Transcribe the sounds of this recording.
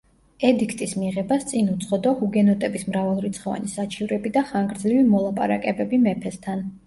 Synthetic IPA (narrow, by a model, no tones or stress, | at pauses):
ɛd̪ikʰt̪ʼismiʁɛbast̪sʼinut̪sʰχɔd̪ɔhuɡɛnɔt̪ʼɛbismɾavalˠɾit̪sʰχɔva̰nisat͡ʃʰivɾɛbid̪aχaŋɡɾd̪zɾivimɔlˠapʼa̰ɾa̰kʼɛbɛbimɛpʰɛst̪ʰan